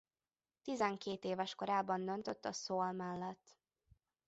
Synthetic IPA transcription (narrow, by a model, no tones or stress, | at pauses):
t̪izɛŋkeːt̪eːvɛʃko̞ɾaːbɒnd̪ønt̪øt̪ːɒsoːlmɛlːɛt̪ː